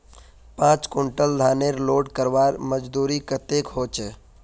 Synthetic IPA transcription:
pãːt͡ʃkoɳʈəld̪ʱaːneɾloːɖkəɾʋaːɾməd͡ʒd̪uːɾikət̪ekɦoːt͡ʃ

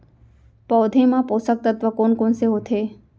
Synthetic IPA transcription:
pɔwd̪ʱemãpoːsək̚t̪ət̪ʋəkoːnkonseɦot̪ʰe

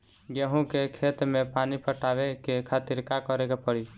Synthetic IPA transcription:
ɡeɦũkekʰet̪mepanipʰəʈabekekʰat̪iɾkakɔɾekepəɽi

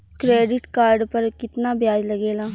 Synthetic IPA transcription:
kɾeːɖɪʈkaːɾɖpəɾkɪt̪naːbɪjaːd͡ʒləɡeːlaː

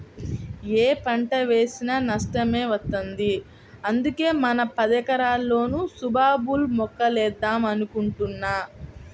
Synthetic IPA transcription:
eːpɐɳʈɐʋe̞ːsinɐnɐʂʈɐme̞ːʋɐt̪ːɐnd̪i | ɐnd̪uke̞ːmɐnɐpɐd̪ɐkɐɾaːlːo̞ːnusubʱaːbulmɔkːɐlɛːd̪ːaːmɐnukuɳʈunːaː

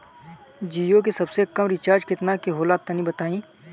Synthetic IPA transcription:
d͡ʒiːjok̬esɐbsekɐmɾɪt͡ʃaːɾd͡ʒkɪt̪nakeɦoːlaːt̪ːɐnĩbɐt̪aːĩː

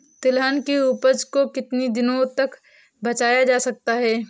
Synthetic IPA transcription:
t̪ɪlɦənkiuːpəd͡ʒkokɪt̪nid̪ɪnõt̪ɐk | bɐt͡ʃaːjad͡ʒaːsɐk̚t̪aɦɛː

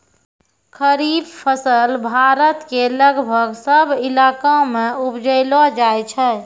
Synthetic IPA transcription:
kʰəɾiːbpʰəsəlbʱaɾət̪keləɡbʱəɡsəbɪlaːkamẽupd͡ʒəɪlɔd͡ʒaet͡ʃʰɛ

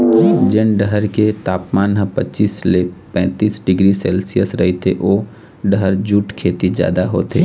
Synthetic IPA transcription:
d͡ʒɪnɖəɦəɾket̪aːpmaːnɦə̃pɐtːt͡ʃiːslepɛ̃ːt̪iːsɖɪɡɾisɛːlsijəsɾɐɦet̪ʰeʔoː | ɖəɦəɾd͡ʒuːʈkʰeːt̪id͡ʒja̰ːd̪aɦo̰ːt̪ʰḛː

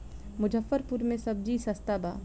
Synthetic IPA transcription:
mʊd͡ʒəfːəɾpuɾmẽsɐb̚d͡ʒisɐst̪abaː

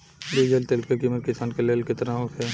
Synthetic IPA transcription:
d̪ud͡ʒelt̪eːlkekimət̪̚kɪsaːnkeleːlket̪ɐɾãoːkʰe

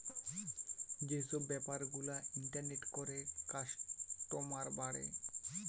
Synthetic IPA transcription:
d͡ʑesobːɛpaɾɡulaiɳʈaɾneʈkoɾekaʃʈomaɾbaɽḛ

